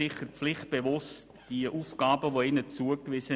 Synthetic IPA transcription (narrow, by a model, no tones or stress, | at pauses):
ɪχəɾflɪχt̚b̥evʊst | d̥iəʔuːfɡ̥aːbəʋoɪnət͡suəkvɪsə